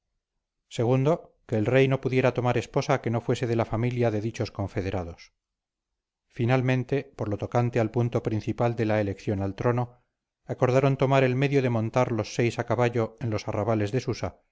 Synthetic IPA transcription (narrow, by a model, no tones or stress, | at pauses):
se̞ɣ̞und̪o̞ | ke̞ːlrejno̞puðje̞ɾat̪o̞maɾe̞spo̞sake̞no̞fwe̞se̞ðe̞lafamiljaðe̞ðit͡ʃo̞sko̞ɱfe̞ðe̞ɾaðo̞s | finalmẽ̞nt̪e̞poɾlo̞t̪o̞kant̪ealpunt̪o̞pɾin̟θipald̪e̞laelekθjo̞nalt̪ɾo̞no̞ | ako̞ɾðaɾo̞nt̪o̞maɾe̞lme̞ðjoðe̞mõ̞nt̪aɾlo̞sːe̞jsakaβaʎo̞enlo̞saraβale̞zðe̞susa